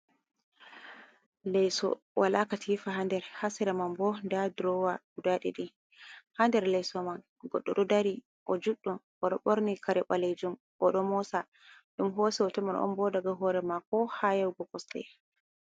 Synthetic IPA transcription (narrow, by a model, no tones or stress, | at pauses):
lɛjsɔ̰ | wʔalakatʰifaɦandɛɾhasɛɾamambɔndadɾɔwaudaɗḭɗi | handɛɾlɛjsɔman | ɡɔɗːɔɗɔdaɾi | ʔɔd͡ʒuɗːɔn | ɔɗɔɓoɾnikʰaɾɛɓaled͡ʒum | ʔɔɗɔmɔsa | ɗumɦoːsiɔtɛmanɔ̰mbɔdaɡaɦɔɾɛmakɔhajawɡɔkɔsɗɛ̰